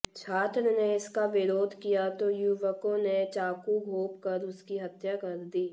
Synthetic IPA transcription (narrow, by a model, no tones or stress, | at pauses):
t͡ʃʰaːt̪ɾəneɪskaʋɪɾoːd̪ʱkijat̪ojʊʋəkõnet͡ʃaːkuɡʱoːpkɐɾʊskiɦɐt̪jakɐɾd̪iː